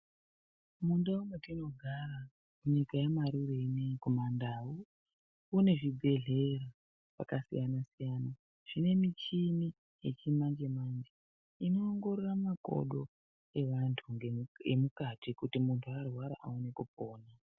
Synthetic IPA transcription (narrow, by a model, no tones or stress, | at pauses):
mundaumwetino̞ɡʱaɾa | muɲikajamaɾureinekumandawuː | ne̞ʐibʱe̞ɮe̞ra | pa̰kasḭjanasijana | ʐ̥ine̞mit͡ʃimi | jet͡ʃimand͡ʒe̞mand͡ʒe | ino̞ːŋɡo̞ɾoramako̞̰ɗo̞ | e̞ʋantʰuŋɡeemukatikutimuntʰuarwaɾa̰ʔaunekup̚o̞ːna